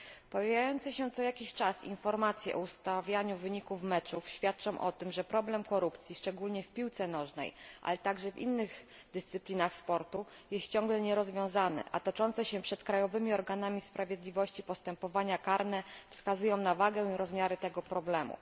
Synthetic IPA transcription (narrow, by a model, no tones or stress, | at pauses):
pɔjajajɔnt̪sɘɕɛt̪sɔjakʲiɕt͡ʂasḭnfɔɾmat̪sʲjɛ̰ʔɔust̪avʲjaɲuvɘɲikufmɛt͡ʂufɕfʲjat̪̚t͡ʂɔ̃w̃ʔɔt̪ɘmʐɛpɾɔblɛmkɔɾupt̪sʲjiʂt͡ʂɛɡulɲɛfpʲiwt̪sɛnɔʐnɛ̰jʔa̰lɛt̪aɡʐɛvḭnːɘɣ | d̪ɘst̪sɘplʲinaxspɔɾt̪u | jɛst̪t͡ɕɔ̃ŋɡlɛɲɛɾɔzvʲjɔ̃w̃zanɛ̰ʔa̰t̪ɔt͡ʂɔnt̪sɛɕɛpʂɛt̪kɾajɔvɘmʲiɔɾɡanamʲispɾavʲjɛd̪lʲivɔɕt͡ɕipɔst̪ɛmpɔvaɲakaɾnɛfskazujɔ̃w̃navaɡɛw̃iɾɔzmʲjaɾɘt̪ɛɡɔpɾɔblɛmṵ